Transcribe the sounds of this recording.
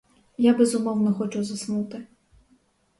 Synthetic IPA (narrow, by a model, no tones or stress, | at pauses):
jabɛzʊmɔwnɔxɔt͡ʃʊzɐsnut̪ɪ